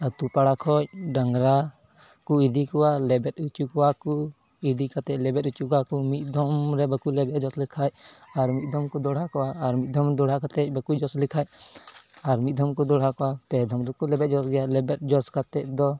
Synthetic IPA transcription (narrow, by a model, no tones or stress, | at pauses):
at̪upaɽakʰɔc̚ɖaŋɡɾa | kuid̪ikɔwalɛbɛtut͡ʃukɔwaku | id̪ikat̪ɛc̚ˀlɛbɛtut͡ʃukakumit̪̚d̪ʱɔmɾɛbəkulɛbɛt̪d͡ʒɔslikʰacaɾmit̪̚d̪ʱɔmkɔd̪ɔɽ̤akɔwaːɾmit̪̚ˀd̪ʱɔmd̪ɔɽ̤akat̪ɛc̚bəkud͡ʒɔslikʰaj | aɾmit̪̚ˀd̪ʱɔmkɔd̪ɔɽ̤akɔwapɛd̪ʱɔmɾɛkulɛbɛt̚d͡ʒɔsɡɛjalɛbɛt̚d͡ʒɔskat̪ɛc̚d̪ɔ